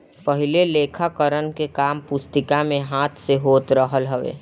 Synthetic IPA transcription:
pəɦɪleleːkʰakəɾənkekaːmpʊst̪ɪkamẽɦaːt̪ʰseɦoːt̪ɾəɦəlɦəʋḛː

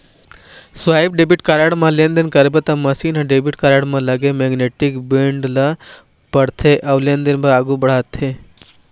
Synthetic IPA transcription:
sʋaːib̚ɖebiʈkaɾaɽmãlend̪ənkɐɾbet̪ɐmɐsiːnɦɐ̃ɖebiʈkaɾaɽmãlɐɡemeɡneʈikbeɳɖlɐ | pɐɽt̪ʰeʔɐʋlend̪enbɐɾaːɡũbɐɽ̤aːt̪ʰe

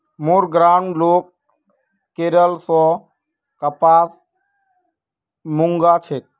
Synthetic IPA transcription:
moɾɡɾaːɳloːkː | eːɾəlsɔ | kəpaːs | muŋɡat͡ʃʰet̪̚

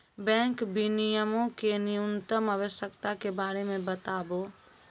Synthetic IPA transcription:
bɛ̃ːŋkbinijəmõkenɪjunt̪əmaʋəʃjəkt̪akebaːɾemẽbət̪aːboː

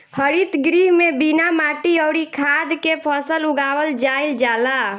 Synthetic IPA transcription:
həɾit̪ɡɾiːɦmebinamaːʈiɔʊɾikʰaːd̪kepʰəsəlʊɡaːwəld͡ʒaːɪld͡ʒaːla

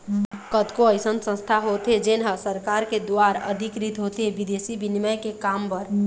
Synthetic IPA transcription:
kəd̪koəɪsənsə̃st̪ʰaɦot̪ɦed͡ʒenɦasəɾkaɾked̪oaɾə̰d̪ʱikɾit̪ɦot̪ebid̪esibiniməjkekampəɾ

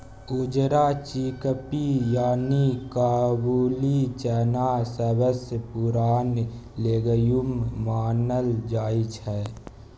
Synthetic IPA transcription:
ʊd͡ʒɾat͡ʃiːkəpijaːnikaːbuːlit͡ʃɛːnasəbəspuɾaːnleːɡəjummaːnəld͡ʒaːit͡ʃʰɛː

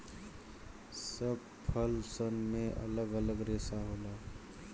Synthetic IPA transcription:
səb̚ | pʰəlsənmẽʔə̰ləɡələɡɾeːsaɦoːla

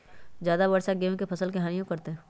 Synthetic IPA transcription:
zjaːd̪abɐɾʃaɡeːõkepʰɐsəlkeɦaːnijõkɐɾt̪eɦɛ̃ː

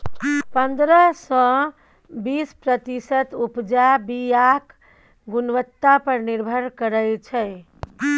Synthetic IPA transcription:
pənd̪ɾəsɔ̃ | bispɾət̪isət̪upd͡ʒabijak | ɡunʋət̪ːapəɾniɾbʱəɾkəɾəjt͡ʃʰɛ

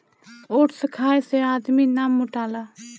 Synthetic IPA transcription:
oːʈsəkʰaːeseaːd̪miːnaːmːʊʈaːlaː

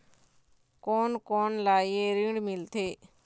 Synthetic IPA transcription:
koːnkoːnlaːjeɾiɽmɪlt̪ʰeː

